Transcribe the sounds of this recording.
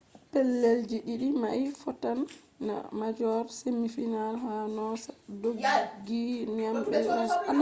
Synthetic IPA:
pɛlːeld͡ʒiɗiɗimaifɔtanː | a̰mad͡ʒɔɾsemːifinalɦanɔsḁdoɡɡːinamɓɛa

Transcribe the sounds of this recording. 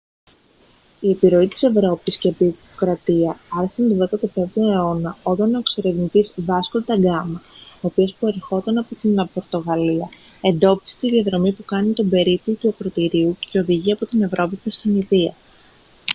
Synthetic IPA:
ie̞piɾo̞it̪i̥se̞vɾo̞pisceɐpiokɾɐt̪iɐɐɾeɐnd̪ovet̪ɐt̪ofe̞vnoeo̞nɐo̞t̪ɐno̞eksoɾe̞vnit̪izvɐskod̪ɐɡɐmɐo̞ːpio̞spueɾxo̞t̪ɐnɐpot̪inpo̞ɾt̪o̞ɣɐliɐ | e̞nd̪o̞pi̥si̥t̪iðiɐðɾo̞mipukɐnit̪o̞be̞ɾiplot̪uɐkɾo̞t̪iɾiuce̞o̞ðiʝiɐpo̞t̪ine̞vɾo̞pimest̪iniðiɐ̰

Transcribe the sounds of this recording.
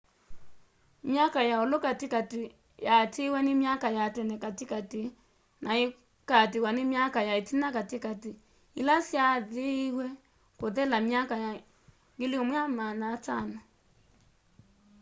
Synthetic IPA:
mjakajaolokatikati | jatiwɛnimjakajatɛnɛkatikati | nʔae | katiwanimjakajaitinakatikati | ilasjaðehwɛ | koðɛlamjakaja | ŋɡeliomwɛamanatano

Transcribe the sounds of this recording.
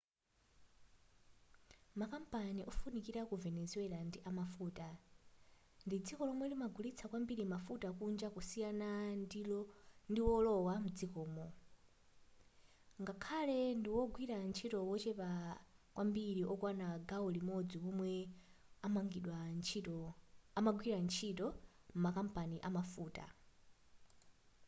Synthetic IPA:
makampaniʔɔfunikiɾakuvɛnɛzuɛlandiʔamafuːta | ndid͡zikɔlɔmwɛlimaɡʱulit͡sʰakwambiɾimafutakund͡ʒakusijanandilɔndiwɔlɔwamud͡zikɔːmɔ | ŋɡakʰalɛndiwɔɡwiɾant͡ʃʰitɔwɔt͡ʃɛpakwʔambiɾiʔɔkwanaɡawɔlimɔd͡zipɔmwɛamaŋɡiɗwant͡ʃ | amaɡwiɾant͡ʃʰitɔ | m̩makampaniʔamafuːta̰

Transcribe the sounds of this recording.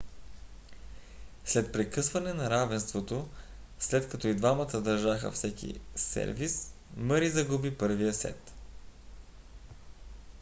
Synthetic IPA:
slɛt̪̚pɾɛkɤsvɐnɛnɐɾavɛnst̪vot̪o | slɛt̪kɐt̪ɔid̪vamət̪əd̪ɐɾʒaxə̰fsɛkʲḭsɛ̰ɾvisməɾizɐɡubipɤɾvijəsɛ̰t̪

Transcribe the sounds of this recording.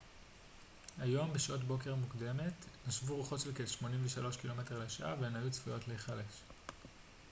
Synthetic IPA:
ajo̞mbeʃʔotbo̞ke̞ʁmukde̞me̞tnaʃvuʁuχo̞tʃelkeʃmo̞nimveʃalo̞ʃkilo̞me̞t̞le̞ʃaʔa̰venajut͡sfujo̞tleiχale̞ʃ

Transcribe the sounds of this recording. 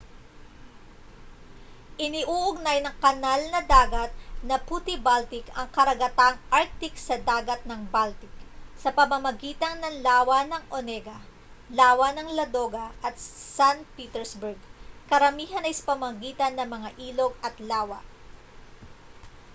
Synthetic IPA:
ʔɪnɪʔuːʔʊɡ̚najnɐŋkɐnalnɐd̪aːɡɐt̪̚nɐput̪ɪbalt̪ɪkɐŋkɐɾɐɡɐt̪aŋʔaɾk̚t̪ɪksɐd̪aːɡɐt̪̚nɐŋbalt̪ɪk̚sɐpɐmɐmɐɡiːt̪ɐŋnɐŋlaːwɐnɐŋʔonɛɡɐ | laːwɐnɐŋlɐd̪oːɡɐʔɐt̪sanpiːt̪ɛɹsbɛɹɡkɐɾɐmiːɦɐnɐjsɐ̥pɐmɐmɐɡiːt̪ɐnːɐŋmɐŋaʔiːlo̞ɡɐt̪laːwɐ̰

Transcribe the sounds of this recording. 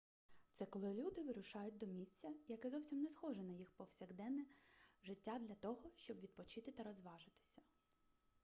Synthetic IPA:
t̪sɛkɔlˠɪlʲud̪ɪʋɪɾʊʃɑjʊt̚ʲd̪ɔmʲisʲt͡sʲɐjɐkɛzɔwsʲimnɛsxɔʒɛnɐjixpɔwsʲɐɣd̪ɛnɛʒɪtʲːad̪lʲɐt̪ɔɦɔʃt͡ʃɔbʋʲid̪̚pɔt͡ʃɪt̪ɪt̪ɐɾɔzʋɑʒɪt̪ɪ̥sʲɐ̥

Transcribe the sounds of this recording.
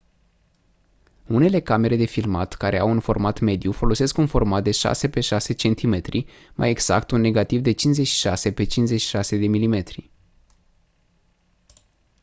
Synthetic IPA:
une̞le̞kame̞ɾe̞d̪e̞filma̰t̪kaɾe̞awunfo̞rmat̪me̞d̪jufo̞lo̞se̞skunfo̞rmat̪̚d̪e̞ʃa̰se̞pe̞ʃase̞t͡ʃe̞nt̪ʰime̞t̪ɾi | ma̰je̞ɡz̥a̰kt̪unːe̞ɡat̪ivd̪e̞t͡ʃinze̞t͡ʃʲʃi̥ʃase̞pe̞t͡ʃinszet͡ʃʃi̥ʃase̞d̪e̞milime̞t̪ɾḭ

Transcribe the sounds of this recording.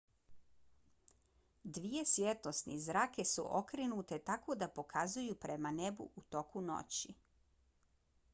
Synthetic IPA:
d̪ʋije̞sjet̪ost̪nḭzɾaːke̞sṵʔokɾinut̪e̞t̪ako̞d̪apo̞kʰazujupɾemane̞bṵʔut̪o̞kuno̰t͡ɕi

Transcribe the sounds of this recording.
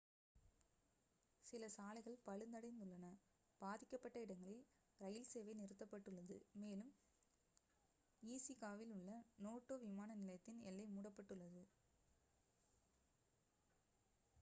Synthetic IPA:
sɪlɐsaːlɪɣɐɭpɐɻɯnd̪ɐɽɐɪnd̪ɯɭːɐnɐ | b̥aːðɪkːɐpːɐʈːɐɪɽɐŋɡɐɭɪl | ɾɐjɪlseːʋɐɪnɪɾɯt̪ːɐpːɐʈːɯɭːɐðɯ̰meːlɯm | iːsikaːʋɪlɯɭːɐnoːʈːoːʋɪmaːnɐnɪlɐjɐt̪ːɪnɛ̰lːɐɪmuːɽɐpːɐʈːɯɭːɐðɯ

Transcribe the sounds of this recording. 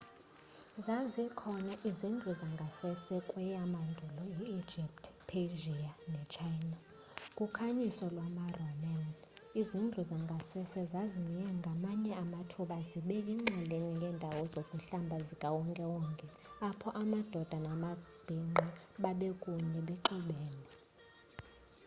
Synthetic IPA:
zazɛkʰɔnaʔizind͡ɮʱuzaŋɡʱasɛsɛkʼwɛjamandʱulɔjɛi̥d͡ʒʱip̚tʰpʰeʒianɛt͡ʃʰajna | kʼukʰaɲisɔlwamarɔman | izind͡ɮʱuzaŋɡʱasɛsɛzazijɛŋɡʱamaɲɛamatʰuɓaziɓɛiŋ͡ǁɛleniŋɡʱɛːndʱawɔzokʼuɬambʱazikʼawɔŋkʼɛwɔŋkʼɛ | apʰɔʔamad̥ʱɔd̥ʱanamab̥ʱiŋ͡ǃɛɓaɓɛkʼuɲɛɓɛǃiɓɛːnɛ

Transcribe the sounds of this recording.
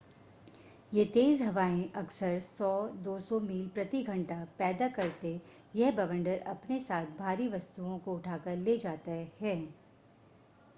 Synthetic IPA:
jeːt̪eːzɦɐʋaːẽʔɐksəɾsɔːd̪oːsɔmiːlpɾɐt̪iɡʱɐ̃ɳʈapɛːd̪akɐɾt̪e | jɛɦbɐʋə̃ɳɖəɾɐ̰pnesaːt̪ʰbʱaːɾiʋɐst̪uõkoʊʈʰaːkəɾleːd͡ʒaːt̪ahɛː

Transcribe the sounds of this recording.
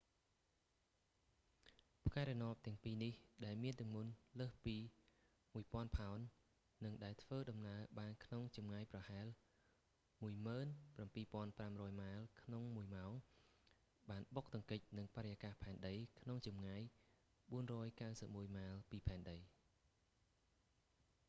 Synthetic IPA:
pʰkaɛɾɛnŏəp̚t̪ɛ̆əŋpiːnihɗaɛlmiənt̪ɨ̆əŋmunləːhpiː | muəjpŏənpʰaɔnː | ɨŋɗaɛlt̪ʰʋəːɗɑmnaəɓaːnkʰnoŋt͡ɕɑmŋaːjprɑhaɛl | muəjməːnprampiːpŏənpramrɔːjmaəlkʰnoŋmuəjmaɔŋ | ɓaːnɓok̚t̪ɨ̆əŋkɨc̚nɨŋpaɾəjakahpʰaɛnɗəjkʰnoŋt͡ɕɑmŋaːj | ɓuənrɔːjkawsəp̚muəjmaːlpiːpʰaɛnɗəj

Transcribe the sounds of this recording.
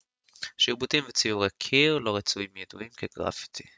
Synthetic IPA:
ʃiʁbutiɱvet͡sijuʁekʰiʁlo̞ʁet͡suimjeduimkeɡʁa̰fi̥t̪ʰi̥

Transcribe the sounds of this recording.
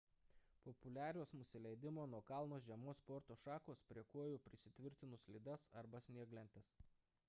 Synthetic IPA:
pɔpʊlʲæːɾʲoːsnʊsʲɪlʲɛɪd̪ʲɪmoːnuɔkɐlˠnoːsʒʲiɛmoːspɔɾt̪oːʃɑːkoːspʲɾʲiɛkuɔjuːpʲɾʲɪsʲɪt̪ʲʋʲɪɾʲt̪ʲɪnʊslʲid̪ɐsɐɾbɐsʲnʲiɛɡlʲɛnʲt̪ʲɛs

